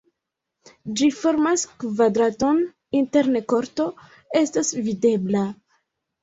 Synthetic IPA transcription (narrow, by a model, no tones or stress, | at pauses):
d͡ʒifo̞ɾmaskvadɾato̞n | inte̞ɾneko̞ɾto̞ | e̞stasvide̞bla